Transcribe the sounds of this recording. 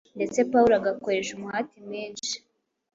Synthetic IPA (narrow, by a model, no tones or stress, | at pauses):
nde̞t͡se̞pauɾoaɡako̞ɾe̞ʃumuhatimɲiːnʃi̥